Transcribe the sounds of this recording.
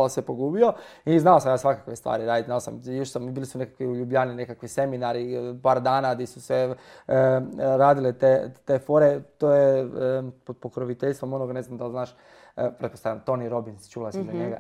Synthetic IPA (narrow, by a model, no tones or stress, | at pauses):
osepoɡuːbioiznalosamjaːsʋakakʋest̪ʋa̰ːɾiɾaːd̪iznalosa̰mjoʃsabilisunekḁkʋiuʎubʎaːnine̞kakʋise̞minaɾipaːɾd̪aːnad̪isusʋe | ɾaːd̪ilet̪et̪efo̞ːɾet̪oːje | pod̪pokɾoʋit̪eʎst̪ʋo̞mo̞noɡne̞znamd̪alˠznaːʃ | pɾet̪̚post̪ajamt̪oniɾo̞binst͡ʃuːlasizaɲeɡa̰